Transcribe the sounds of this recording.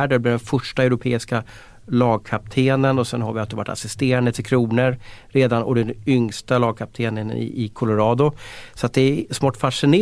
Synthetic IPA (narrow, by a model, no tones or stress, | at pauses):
ɖəɛb̪ɪːɖ̪ɛnfœʂʈaɛʊɾʊpʰeːɪska | lɑːɡ̚kʰap̚t̪ʰeːnənɔsɛnɦaɾvɪat̪d̪ɛva̰ʈːa̰sɪst̪eːɾand̪ət̪ʰɪlkʰɾuːnəɾɾeːd̪anɔ̰d̪ɛnʏŋst̪alɑːɡ̚kʰap̚t̪ʰeːnənɪ̰ɪkʰɔlʊɾɑːd̪ʊsat̪̚d̪ɛɛsmɔːʈːfaʂɪneː